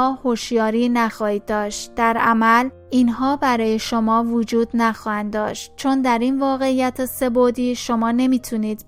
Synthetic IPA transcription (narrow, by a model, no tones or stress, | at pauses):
hoʃjɒːɾiːnæxɒːhiːd̪ːɒːʃt̪d̪̥æɾʔæmæl | inɦɒːbæɾɒːjeʃomɒːvod͡ʒuːd̪næxɒːhænd̪ːɒːʃt̪̚t͡ʃʰo̞nd̪æɾinvɒːɣe̞ijæt̪ʰese̞bod̪iːʃomɒːne̞miːt̪ʰuniːd̪̥